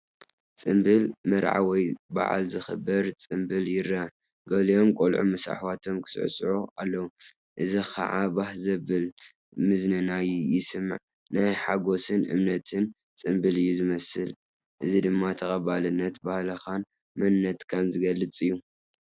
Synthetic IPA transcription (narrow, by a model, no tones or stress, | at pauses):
t͡sʼɨmbɨlmɐɾʕa̰wɔjba̰ʕa̰lzɨxɨbɐɾt͡sʼɨmbɨljɪɾɐ | ɡɐlijo̞mkʼolʕṵmɐsa̰ħwat̪ʰo̞mkʰɨ̥sɨ̰ʕ̰sʼʕoʔalːɐwu | ʔɨzixʰa̰ʕabahzɐbɨl | mɨznɨnajujɪsɨmːɨ̰ʕ | najħaɡo̞sɨnʔɨ̰mnɐt̪ʰɨn | t͡sʼɨmbɨlɨjːuzɨmɐsɨl | ʔɨzid̪ɨmːat̪ʰɐxʼɐbalɨnːɐt̪bahlɐxan | mɐnːɐt̪kʰanzɨɡɐlːɨt͡sʼɨjːu